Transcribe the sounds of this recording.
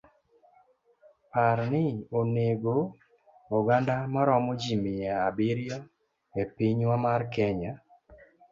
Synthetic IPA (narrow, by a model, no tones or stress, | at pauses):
paɾnɪoneɡo | ɔɡandamaɾɔmɔd͡ʒimɪjaːbɪɾjɔ | epiɲwamarkɛɲa